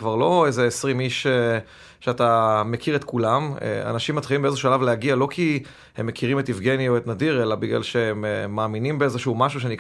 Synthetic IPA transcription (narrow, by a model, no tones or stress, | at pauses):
kvaʁlo̞ejzeːsʁimiʃe | ʃeatame̞kʰiʁet̪kulamḛa̰naʃimːat̪χilimbeezeʃalavlehaɡialo̞kʰi | hemːekʰiʁime̞tifɡenioet̪nadiʁe̞labiɡla̰lʃe̞emːaːminimbeezeʃuumaʃuʃ̬enik